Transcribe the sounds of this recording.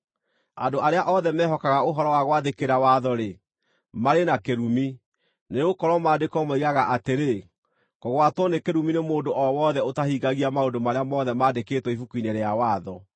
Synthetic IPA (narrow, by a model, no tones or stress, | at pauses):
adoʔaɾeaʔɔðɛmɛːɦɔkaɣaoɦɔɾɔwaɣwaðekeɾawaðɔɾe | maɾenakeɾumi | neɣokɔɾwɔmaːdekɔmoiɣaɣaʔateɾe | kɔɣwatwɔnekeɾuminemoːdoʔɔwɔðɛotahiɡaɣiamaondomaɾeamɔðɛmaːdeketwɔifukuineɾeawaːðɔ